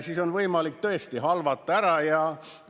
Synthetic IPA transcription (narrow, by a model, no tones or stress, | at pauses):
sisonʋɤimɑlik̚t̪øest̪ihɑlʋɑt̪ːɑæɾɑjɑ